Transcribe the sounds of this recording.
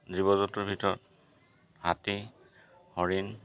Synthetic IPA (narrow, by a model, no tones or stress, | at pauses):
dɹibɔzɔtuɹbʱitɔɹɔt̚ | hati | hɔɹin